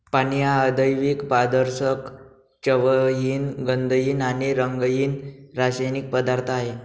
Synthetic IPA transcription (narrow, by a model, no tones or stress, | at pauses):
panijaəd̪əjʋiːkbad̪əɾɕək | t͡ɕəʋəjiːnɡənd̪əjiːnaniɾəŋɡəjiːnɾasajnik̚pəd̪aɾt̪ʰaɦe